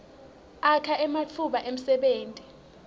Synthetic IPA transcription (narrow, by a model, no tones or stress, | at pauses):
akʰaʔɛmat͡fʰuɓaʔem̩sɛɓeːntʼi